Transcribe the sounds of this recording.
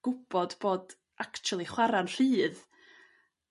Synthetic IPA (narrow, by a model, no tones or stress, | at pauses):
ɡʊb̥ɔdb̥oːd | ʔakt͡ʃulˠiχwaɾanr̥iːð